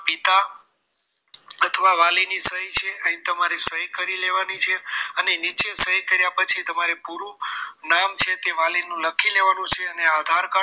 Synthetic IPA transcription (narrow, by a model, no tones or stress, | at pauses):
pit̪a | ət̪ʰʋaʋalinisəɦit͡ʃʰeəĩt̪əmaɾesəɦikəɾileʋanit͡ʃʰeənenit͡ʃesəɦikəɾjapət͡ʃʰit̪əmaɾepuɾũnamt͡ʃʰet̪eʋalinũləkʰileʋanũt͡ʃʰeənead̪ʱaɾka